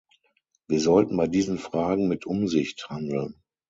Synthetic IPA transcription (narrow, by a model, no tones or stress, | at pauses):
viːɐzɔltn̩baɪdiːzn̩fʁ̥aːɡŋ̩mɪtʰʔʊmzɪçthandl̩n